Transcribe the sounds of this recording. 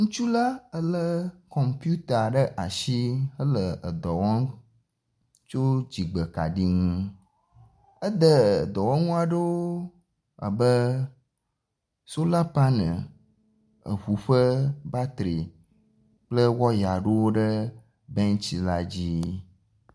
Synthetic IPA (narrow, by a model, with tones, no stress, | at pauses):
ŋũ˦t͡ʃu˦la˦ə˦lə˦kɔ˨mpju˦t̪a˨ɖə˦ʔa˨ʃi˦ə˦lə˨ə˨d̪ɔ˨wɔ̃˦ŋ | t͡ʃo˦d͡ʑi˨ɡ͡bə˨ka̰˨ɖi˦ŋũ˦ | ə˦d̪ə˦˨d̪ɔ˨wɔ̃˦ŋũ˦a˨ɖə˦woo˦ | a̰˨bə˦ | so˦la˦pa˦nə̰̃˨ | ə̰˨βu˨ɸə˦ba˦t̪ɾi˨ | k͡plə˦wɔ˦ja˨ɖə˦wo˦ɖə˦ | bɛ˦ŋ˦t͡ɕi˦la˦d͡ʑi˦